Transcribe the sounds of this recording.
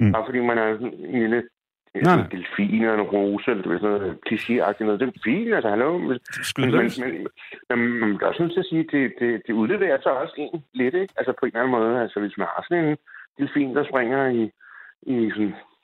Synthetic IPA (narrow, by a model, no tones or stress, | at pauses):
b̥ɑ̈fɒ̽d̥ḭːmænɑsɔnenlilə | d̥elfḭːnelɐenʁoːsəelɐdeʋeɐ̰snɔːð̩ˠkʰliɕe̝ɑ̈ɡ̥̚d̥inɔ̽ð̞ˠd̥efḭːnælsɐhæloʊesenmenmenmenmæmd̥ɑɒsnot͡sʰeɐsiːd̥e̝d̥e̝d̥e̝uðˠleːʋeɐsɒɒ̽se̝̰ːnle̝d̥eɡ̥ælsəpʰɒ̽e̝nlæn̩mɔ̽ːð̞ˠælsəʋe̝smænhɑ̈sɔ̽ne̝nd̥e̝lfḭːnd̥ɑ̈sb̥ʁɛŋ̰ɐiisɔ̽n